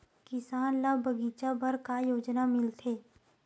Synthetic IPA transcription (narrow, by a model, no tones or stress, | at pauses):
kɪsaːnlabɐɡiːt͡ʃabɐɾkajoːd͡ʒnamɪlt̪ʰeː